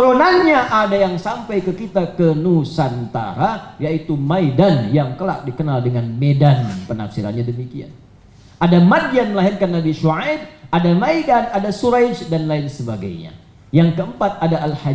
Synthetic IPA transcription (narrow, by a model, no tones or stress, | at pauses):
t̪əɾonaɲaʔadajaŋsampajkəkit̪akənusant̪a̰ɾajait̪umajdanjaŋkəla̰k̚dikənaldəŋanmedanpəna̰fsiɾa̰nɲadəmikia̰n | adamadjanməlaɦɪrkanːabiʃuʕad̚adamaidanadasuɾad͡ʒdanlaɪnsəbaɡa̰jɲa̰ | jaŋkəəmpat̪̚adaʔːlha